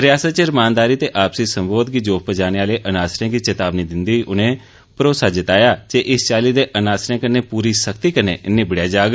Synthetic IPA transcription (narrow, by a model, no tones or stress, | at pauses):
ɾɪjaːsət̪̚t͡ʃəɾmãːnd̪aːɾiːt̪eːʔaːpsiːsəmboːd̪ɡiːd͡ʒoːkpəd͡ʒaːneːaːleːʔənaːsɾẽːɡiːt͡ʃət̪aːbniːd̪ɪnd̪iːʔʊnẽː | pɾoːsaːd͡ʒɪt̪aːjaːd͡ʒeːʔɪst͡ʃaːliːd̪eːʔənaːsɾẽːkəneːpuːɾiːsəkt̪iːkənḛːʔɪnːẽːbɪɽjaːd͡ʒaːɡ